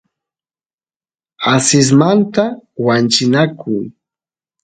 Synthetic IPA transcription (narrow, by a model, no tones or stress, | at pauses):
asɪs̬mant̪awant͡ʃɪnakʊŋ